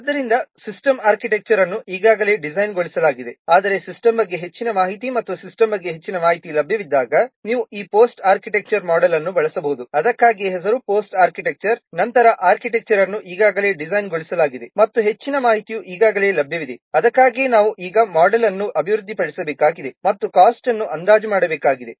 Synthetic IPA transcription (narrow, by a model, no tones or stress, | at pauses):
ɐd̪ːɐɾind̪ɐsisʈɐmaːɾkiʈek̚t͡ʃɐɾɐnːuʔiːɡaːɡɐle̞ːɖid͡ʒɐjnɡoɭisɐlaːɡid̪e̞aːd̪ɐɾe̞sisʈɐmbɐɡːe̞ɦe̞t͡ʃːinɐmaːɦit̪imɐt̪ːusisʈɐmbɐɡːe̞ɦet͡ʃːinɐmaːɦit̪ilɐbʱjɐʋid̪ːaːɡɐniːʋuiːpoːsʈaːɾkiʈek̚t͡ʃɐɾmaːɖɐlɐnːubɐɭɐsɐbɐɦud̪uɐd̪ɐkːaːɡieɦɛs̬ɐɾupo̞ːsʈaːɾkiʈek̚t͡ʃɐɾnɐnt̪ɐɾɐʔaːɾkiʈek̚t͡ʃɐɾɐnːuʔiːɡaːɡɐle̞ːɖid͡ʒɐjnɡoɭisɐlaːɡid̪e̞mɐt̪ːuɦe̞t͡ʃːinɐmaːɦit̪ijuʔiːɡaːɡɐle̞ːlɐbʱjɐʋid̪e̞ɐd̪ɐkːaːɡinaːʋuʔiːɡɐmaːɖɐlɐnːuʔɐbʱiʋɾud̪ːipɐɽisɐbeːkaːɡid̪e̞mɐt̪ːukaːsʈɐnːuʔɐnd̪aːd͡ʒumaːɽɐbeːkaːɡid̪e̞